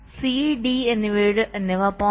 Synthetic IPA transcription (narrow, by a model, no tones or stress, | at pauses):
siɖienːiʋeːɽɨʔnːeʋɐpo